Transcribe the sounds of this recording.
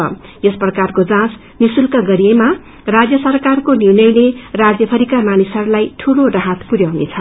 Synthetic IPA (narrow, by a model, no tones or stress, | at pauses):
ʌjʌsprʌkarkod͡zãs | nisulkʌɡʌɾiema | rad͡zjʌsʌrkarkoniwnʌjnerad͡zjʌpʰʌɾikamanisʌɾulajʈʰuloraɦat̪puɾjawnḛt͡sʰʌ